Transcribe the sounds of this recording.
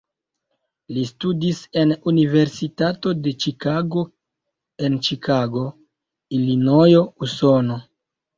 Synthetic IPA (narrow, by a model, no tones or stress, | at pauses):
listudise̞nunive̞ɾsitato̞de̞t͡ʃikaɡo̞ | e̞nt͡ʃikʰaɡo̞ | ilinojouso̞no̞